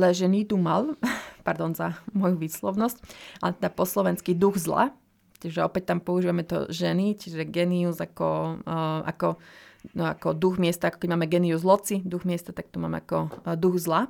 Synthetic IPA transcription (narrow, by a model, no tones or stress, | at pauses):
lɛʒɛnit̪umalpaɾd̪ɔnzamɔjuʋiːslɔʊnɔscalɛt̪ɛd̪apɔslɔʋɛnskid̪uɣzla̰ | t͡ʃiʒɛɔpɛc̚t̪ampɔuʒiːʋamɛt̪ɔ̰ʒɛnit͡ʃiʒɛɡɛniuzakɔ | ʔa̰kɔ | akɔd̪uɣmɪɛst̪aakɔkɛɟmaːmɛɡɛniuzlɔt͡sid̪uɣmɪɛst̪at̪ak̚t̪uma̰ːmɛ̰akɔd̪uɣzla